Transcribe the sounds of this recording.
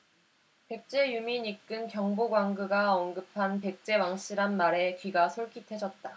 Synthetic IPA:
pe̞k̚t͡ɕ͈e̞jumiɲik͈ɯnkjʌŋboɡwaŋɡɯɡaʌnɡɯpʰanpe̞k̚t͡ɕ͈e̞waŋɕ͈iɾanmaɾe̞kɥiɡasʰoɭk͈ʰitʰwe̞d͡ʑʌt̚t͈a

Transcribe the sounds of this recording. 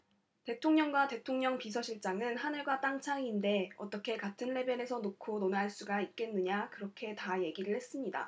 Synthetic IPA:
te̞tʰoŋɲʌŋɡwate̞tʰoŋɲʌŋpis̬ʰʌɕʰiɭt͡ɕ͈aŋɯnhanɯɭɡwat͈aŋt͡ɕʰaŋinde̞ʌt͈ʌkʰe̞katʰɯnle̞bene̞sʰʌnokʰononɦaɭs͈uɡaik̚k͈e̞nːɯɲakɯɾʌkʰe̞taje̞ɡiɾɯɭhe̞s͈ɯmɲida̰

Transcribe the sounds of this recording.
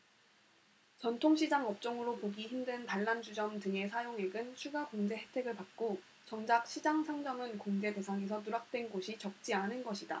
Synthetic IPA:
t͡ɕʌntʰoŋɕʰid͡ʑaŋʌp̚t͡ɕ͈ʌŋɯɾopoɡiçimdɯntaɭːand͡ʑud͡ʑʌmtɯŋe̞sʰajoŋe̞ɡɯnt͡ɕʰuɡakoŋd͡ʑe̞ɦe̞tʰe̞ɡɯɭpak̚k͈o | t͡ɕʌŋd͡ʑak̚ɕʰid͡ʑaŋsʰaŋd͡ʑʌmɯnkoŋd͡ʑe̞de̞sʰaŋe̞sʰʌtuɾak̚t͈we̞nɡoɕʰit͡ɕʌk̚t͡ɕ͈ianɯnɡʌɕʰida̰

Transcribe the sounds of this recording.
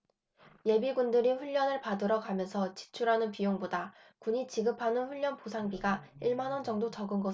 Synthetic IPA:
je̞biɡundɯɾiɸuʎːʌnɯɭpadɯɾʌɡamjʌnsʰʌt͡ɕi̥t͡ɕʰuɾɦanɯnpijoŋboda | kuɲit͡ɕiɡɯpʰanɯnɸuʎːʌnposʰaŋbiɡaiɭmanwʌnd͡ʑʌŋdot͡ɕʌɡɯnɡʌ

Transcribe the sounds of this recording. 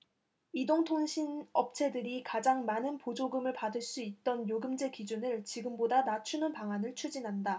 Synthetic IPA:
idoŋtʰoŋɕʰinʌp̚t͡ɕʰe̞dɯɾikad͡ʑaŋmanɯnpod͡ʑoɡɯmɯɭpadɯɭs͈uit̚t͈ʌnjoɡɯmd͡ʑe̞kid͡ʑunɯɭt͡ɕiɡɯmbodanat͡ɕʰunɯnpaŋanɯɭt͡ɕʰud͡ʑinɦanda

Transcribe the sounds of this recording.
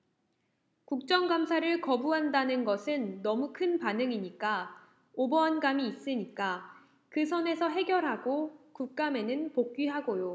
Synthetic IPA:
kuk̚t͡ɕ͈ʌŋɡamsʰaɾɯɭkʌbuɦandanɯnɡʌsʰɯnːʌmukʰɯnpanɯŋiɲik͈a | obʌʌnɡamiːs͈ɯɲik͈a | kɯsʰʌne̞sʰʌɦe̞ɡjʌɾɦaɡokuk̚k͈ame̞nɯnpok̚k͈ɥiɦaɡojo

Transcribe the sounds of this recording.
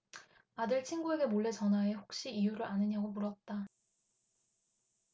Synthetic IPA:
adɯɭt͡ɕʰinɡue̞ɡe̞moɭːe̞t͡ɕʌnɦwae̞ɸok̚ɕ͈iijuɾɯɾʔanɯɲaɡomuɾʌt̚t͈a

